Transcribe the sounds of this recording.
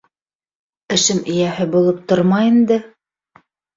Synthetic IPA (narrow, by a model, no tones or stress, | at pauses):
ɘ̆ʃɘmɘ̆jæhɘbulˠɤp̚t̪oɾmɑjind̪ɘ